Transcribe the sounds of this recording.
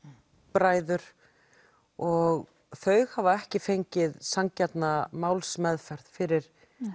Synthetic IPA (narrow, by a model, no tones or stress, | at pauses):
pɾaːjðʏɾ̥ | ɔɣ | θœɥɣhavaɛhcɪfejɲcɪðsaŋcɛt̪namaːwlsmɛðfɛɾ̥ð̥fɪɾɪɾ̥